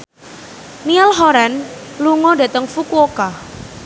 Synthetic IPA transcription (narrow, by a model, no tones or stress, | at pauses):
nialɦɔɾanluŋɔdat̪əŋfukwɔka